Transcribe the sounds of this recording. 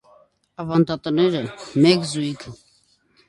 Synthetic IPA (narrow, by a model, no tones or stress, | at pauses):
ɑvɑnd̪ɑt̪ənɛɾəmɛkzujkʰə